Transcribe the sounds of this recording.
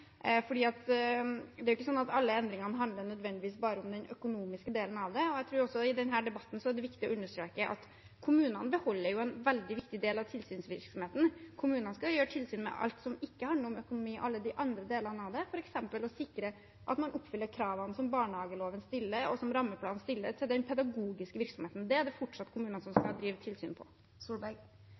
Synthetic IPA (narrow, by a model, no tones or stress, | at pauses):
fɔɖiːɑt̪ | d̪ɛæɾʊɪkːəsɔnːɑt̪ɑlːəɛnd̪ɾɪŋɑnəɦɑnd̪ənœd̪ʋɛnd̪ɪʋiːsbɑːɾəʊmd̪ɛnʔœkʊnuːmɪskəd̪eːlən̩ɑʋd̪ɛɔæɪt̪ʰɾuːɾɔsːɔɪd̪ɛnɦæːɖɛbɑt̪ːn̩sɔæɖɛʋɪkt̪ɪɔ̰ʉnːəʂʈ̪ɾøːkəʔɑ̰t̪ | kʰʊmʉːnɑnəbəhɔlːəɾjʊɛnʋɛld̪ɪʋɪkt̪ɪd̪eːlɑʋt̪ʰɪlsyːnsʋɪɾksɔmheːt̪n̩kʰʊmʉːnənəskɑjøːɾʈʰɪlsyːnmɛ̰ʔɑ̰lt̪sɔmɪkːəhɑnəɾɔmœkʊnʊmiːʔɑlːəd̪ɪʔɑnd̪ɾəd̪eːlɑnɑʋd̪ɛfɔɾɛksɛmpəlɔsɪkːɾə | ʔɑ̰t̪mɑnʔɔpːfʏlːəɾkʰɾɑːʋɑnsɔmbɑːɳəhɑːɡəloːʋənst̪ɪlːəɾɔsɔmɾɑmːəpʰlɑːnst̪ɪlːət̪ʰɪld̪ɛnpʰɛd̪ɑɡuːɡɪskəʋɪɾksɔmheːt̪n̩d̪ɛæɖɛfɔʈʂɑt̪ːkʰʊmʉːnənəsɔmskɑd̪ɾiːʋət̪ʰɪlsyːnpʰɔ̰ | suːb